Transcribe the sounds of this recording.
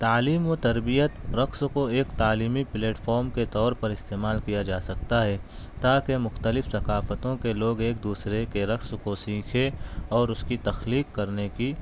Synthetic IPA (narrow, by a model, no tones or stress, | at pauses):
t̪aːliːmot̪ɐɾbijət̪ɾɐkskoeːkt̪aːliːmipleːʈfʰɔːɾmket̪ɔːɾpɐɾɪst̪eːmaːlkijad͡ʒaːsɐkt̪aɦɛ | t̪aːkemʊxt̪əlɪfsɐkaːfət̪õkeloːɡeːk̚d̪uːsɾekeɾɐkskosĩːkʰeɔːɾʊskit̪ɐxliːkːɐɾneki